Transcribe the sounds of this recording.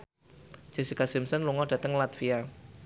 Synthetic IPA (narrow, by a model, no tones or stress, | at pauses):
d͡ʒ̥e̤sikasɪmsənluŋɔɖ̥ä̤t̪əŋlat̪fia